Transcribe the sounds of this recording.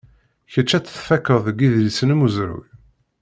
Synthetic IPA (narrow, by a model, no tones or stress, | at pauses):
çət͡ʃːæt͡sːθfækːəðˤəɡiðlisənmuzɾṵj